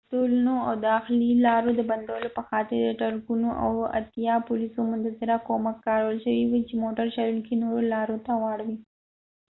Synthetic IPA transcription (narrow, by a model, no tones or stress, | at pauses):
ʈolunoawd̪ɑxlilɑɾod̪əband̪awəlopəxɑt̪ɪɾd̪əʈaɾkunoʔa̰wa̰t̪jɑpʊlisomʊnt̪azɪɾakomakːɑɾawəlʃəwiwut͡ʃemoʈaɾʃaɾuŋkinoɾolɑɾot̪awaɽwi